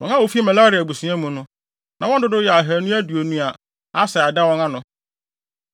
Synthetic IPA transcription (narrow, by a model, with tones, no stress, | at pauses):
wɔ̃˨nã˦wo˨fi˦ma˨la˦ɾi˨a˨bu˨sũ˨˦ã˦mũ˨nʊ̃˦ | nã˨wɔ̃˦n˦dʊ˦dʊ˦jɛ˨a˨ɦæ˨nũ˦æ˦du˨o˨nũ˦a˨ | a˦sɛ˨a˨da˦wɔ̃˦nã˦nʊ̃˦